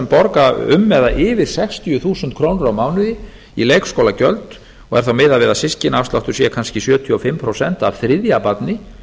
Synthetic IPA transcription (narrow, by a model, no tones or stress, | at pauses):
ɛmpɔɾkaʏ̰mːɛðaʔɪːvɪɾ̥sɛkst̪ʰiʏθuːsʏnt̪kʰɾoːwnʏɾawmaːwnʏðɪ | ilejkskowlacœlt̪ | ɔɣɛ̰ɾ̥θawmɪːðavɪːðasɪscɪnafst̪laft̪ʏ̥sjɛkʰanscɪsjœːt̪ʰjɔfɪmːpʰɾowsɛnt̪a̰vθɾɪðjapat̪nɪ